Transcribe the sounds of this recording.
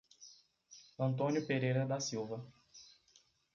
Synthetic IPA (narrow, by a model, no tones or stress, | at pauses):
ɐ̃nt̪õnjʊpeɾejɾɐd̪ɐsiwvɐ